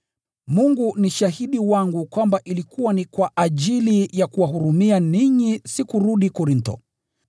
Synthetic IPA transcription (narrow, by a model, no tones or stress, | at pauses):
muŋɡuniʃaɦiɗiwaŋɡukwambaʔilikuwanikwaʔaʄilijakuwaɦuɾumianiɲisikuɾuɗikɔɾintɔ̰